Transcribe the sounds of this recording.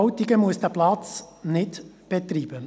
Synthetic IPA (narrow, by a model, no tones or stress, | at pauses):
ʊtɪɡəmuəsd̥ɛːɐplɑt͡snɪtb̥et̪riːb̥ə